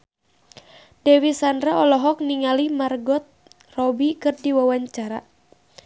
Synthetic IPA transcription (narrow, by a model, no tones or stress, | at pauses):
dɛwisandɾaɔlɔɦɔk̚niŋalimarɡɔt̪̚ | rɔbikɨrdiwawaɲt͡ʃaɾa